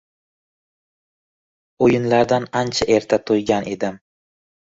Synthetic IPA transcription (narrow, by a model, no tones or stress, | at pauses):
ojɪnlaɾd̪anant͡ʃʰaʔe̞ɾt̪ʰat̪ʰojɡʲanʔe̞d̪ɪm